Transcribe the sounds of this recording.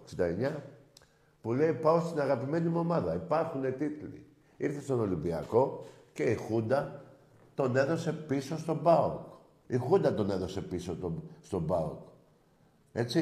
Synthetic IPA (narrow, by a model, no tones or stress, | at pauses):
ksind̪ɐeɲɐ | pule̞ipɐost̪inɐɣɐpime̞nimo̞mɐðɐipɐɾxune̞t̪it̪lḭ | iɾθe̞st̪ono̞limbiɐ̰ko̞ | ce̞ixund̪ɐ | t̪o̞ne̞ðo̞se̞piso̞st̪o̞bɐok | ixund̪ɐt̪o̞ne̞ðo̞se̞pisot̪ost̪o̞bɐo̰k | e̞t͡si